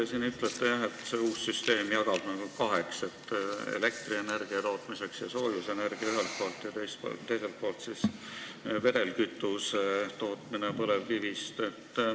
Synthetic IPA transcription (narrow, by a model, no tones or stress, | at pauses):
esiːnyt̪ːˑlet̪ːejæɦe̞t̪se̞uːsːyst̪e̞ːmjɑɡ̥ɑb̥nelkɑɦe̞kse̞t̪ːḛle̞k̚t̪riene̞rɡ̥iɑt̪o̞ːt̪ˑmise̞ksjɑ̰so̞ːjuse̞ne̞rɡ̥iɑyɦelt̪̚po̞ːlt̪ːˑjɑt̪ejst̪t̪ːe̞jse̞lt̪̚po̞ːlt̪sis | ve̞ɾe̞lkyt̪ːˑust̪o̞ːt̪ˑminepɤle̞vːivist̪e̞t̪ˑː